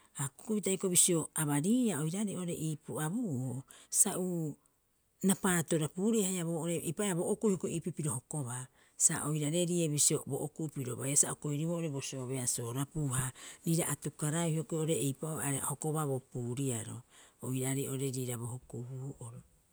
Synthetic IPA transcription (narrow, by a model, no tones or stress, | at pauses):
aku̥kuβitajkoβisio̞aβaɾiːaojɾaɾiʔoɾe̞ʔiːpuabuʔosaʔu | napaːtoɾapuːɾihajaβoːoɾejpaʔeaβoʔokujhokoʔipipiɾo̞hoko̞βa | sa̰ʔojɾaɾe̞ɾieβisio̞bo̰ʔokuʔpiɾo̰βajasaʔukojɾiβoʔoɾe̞bosioβeaso̞ːɾapuːhaɾiːɾaʔatukaɾahiokojoɾeejpaoaɾhoko̞βaβopuːɾiaɾo̰ojɾaɾiʔo̞ɾe̞ɾiːɾaβohokuhuhuʔoɾo